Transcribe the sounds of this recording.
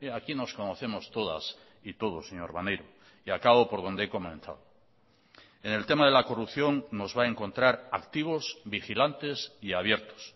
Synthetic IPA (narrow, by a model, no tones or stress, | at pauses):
eakino̞sko̞no̞θe̞mo̞st̪o̞ða̰s | it̪o̞ð̞o̞seɲoɾβa̰nejɾo | iakaβopo̞ɾð̞o̞nd̪eeko̞mẽn̟θa̰ðo | e̞ne̞lt̪e̞maðe̞lako̞rupθjo̞nːo̞zβae̞ŋko̞nt̪ɾaɾa̰kt̪iβ̞o̞sbixilant̪e̞siaβ̞je̞ɾt̪o̥s